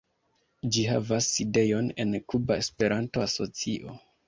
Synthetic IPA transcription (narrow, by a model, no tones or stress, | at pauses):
d͡ʒiɦa̰vasːide̞jo̞ne̞̰nkubaespe̞ɾantoso̞t͡siʔo̞